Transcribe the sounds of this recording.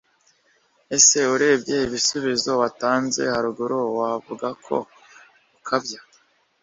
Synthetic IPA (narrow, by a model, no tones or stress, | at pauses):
e̞se̞uɾe̞ːbje̞iβisuβizo̞βataːnze̞̰haɾuɡuɾowavuɡakʰo̞̰ | ukʰabja